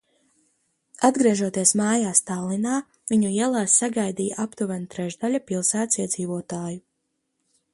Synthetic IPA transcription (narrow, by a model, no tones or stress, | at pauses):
ad̪ɡɾiɛʒuɔt̪iɛsmaːjaːst̪aːlˠinaː | viɲuiɛlˠaːsːaɡajd̪iːjaʔapt̪uvɛnat̪ɾɛʒd̪aʎʲapilˠsæːt̪siɛd̪ziːvuɔt̪aːju